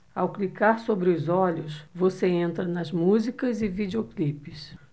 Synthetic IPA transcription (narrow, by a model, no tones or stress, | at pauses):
awklikaɾsobɾɪʊzɔʎʊsvoseẽnt̪ɾɐnɐzmuzikɐzɪvid͡ʒeoklipɪs